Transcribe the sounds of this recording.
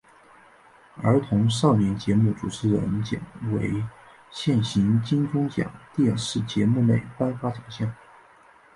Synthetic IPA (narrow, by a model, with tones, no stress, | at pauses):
ə̰˞˧˥t̪ʰʊ˧˥ŋʂɑ˥˩ʊnjɛ˧˥nt͡ɕjɛ˧˥mu˥˩ʈ͡ʂu˨˩ʈ͡ʂʰɻ̩˧˥ɻə̰˧˥nt͡ɕjɛ̰˨˩nwḛ˧˥ɪ | ɕjɛ˥˩nɕi˧˥nt͡ɕi˥nʈ͡ʂʊ˥ŋt͡ɕjɑ̰˨˩˦ŋt̪jɛ˥˧nʂɻ̩˥˩t͡ɕjɛ˧˥mu˥˧ne˥˩ɪpa˥nfa˥t͡ɕʰɑ˨˩ŋɕjɑ˥˩ŋ